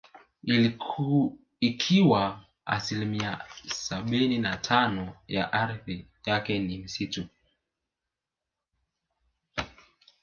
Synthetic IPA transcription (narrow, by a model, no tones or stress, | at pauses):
i | ikʰiwa | a̰silimiasaɓininatʰanɔja̰ʔaɾθijakɛnim̩situ